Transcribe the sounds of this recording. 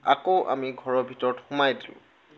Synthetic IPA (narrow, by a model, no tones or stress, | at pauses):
a̰koʔa̰miɡʱɔɹɔɹbʱitɔɹɔtxumajdilʊ̰̃